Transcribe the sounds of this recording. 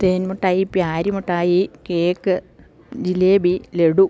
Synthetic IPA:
t̪eːnmoʈːaːjipjaːɾimoʈːaːjikeːkːɨ | d͡ʑileːbileɽu

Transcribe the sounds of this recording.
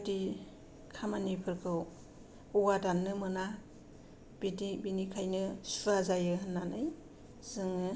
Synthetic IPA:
di | kʰamanipʰɯɾkʰɯw | uwadanːɯmɯna | b̥idibinikʰajnɯsuɾazajɯɦɯnːanɯj | z̥ɯŋɯ

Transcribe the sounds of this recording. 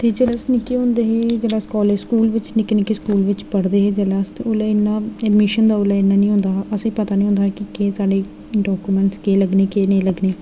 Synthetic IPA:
t̪eːd͡ʒələsnɪkːeːɦʊ̃nd̪eːɦeːd͡ʒəlaːskɔːleːskuːlʋɪt͡ʃnɪkːenɪkːeːskuːlʋɪt͡ʃpəɽd̪eːɦeːd͡ʒəlast̪eoːlaːɪnːãːɛɖmɪʃənd̪aːoːlaːɪnːãːnĩːɦʊ̃nd̪aːəseːpət̪aːnĩːɦʊ̃nd̪aːkɪkeːsaːɖeː | ɖɔːkuːmɛ̃ːɳʈskeːləɡneːkeːnẽːləɡneː

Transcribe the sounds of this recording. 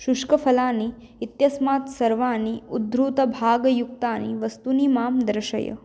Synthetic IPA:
ʃuʂkɐfʰɐlaːniː | t̪jɐsmaːt̪sɐɾʋaːniud̪ɾut̪ɐbʱaːɡjuk̚t̪aːnḭʋəst̪uniːmaːmd̪ɾɐʃɐ̰jə̰

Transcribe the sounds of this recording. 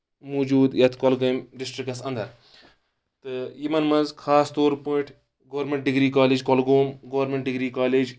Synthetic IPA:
muːd͡ʒuːd̪jɐt̪ʰkɔlɡɐmɖisʈɾikɐsɐnd̪ʱɐɾ | t̪ɨjimɐnmɐnzkʰaːst̪oːɾpuːʈʰ | ɡɐʋɐɾmeɳʈ̚ɖiɡɾiːkaːlid͡ʒkolɡoːmɡɐʋɾmeɳʈ̚ɖiɡɾiːkaːleːd͡ʒ

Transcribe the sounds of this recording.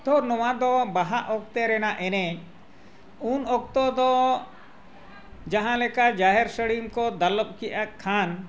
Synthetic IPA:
t̪ɔɾnɔwad̪ɔbaɦaʔɔk̚t̪ɛɾɛnaʔɛnɛɲ | unɔk̚t̪ɔd̪ɔ | d͡ʒaɦãlɛkad͡ʒaɦɛɾsəɽimkɔd̪alɔp̚kiʔakʰːan

